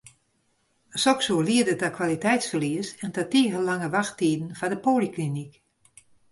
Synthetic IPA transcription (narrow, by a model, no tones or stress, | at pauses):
sɔksuːliədətakʰwʋalitɛjtsfərliəsɛntatiːəɣəlaŋəʋaxtiːdn̩fadəpoːliklinik